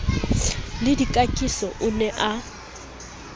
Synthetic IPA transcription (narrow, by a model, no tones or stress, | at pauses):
lɪdikʼakʼisɔʔʊnɛʔa